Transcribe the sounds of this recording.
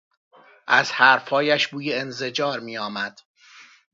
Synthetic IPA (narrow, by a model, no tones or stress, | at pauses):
ʔæz̥hæɾfhɒːjæʃbuːjeenze̞d͡ʒɒːɾmiːjɒːmæd̪̥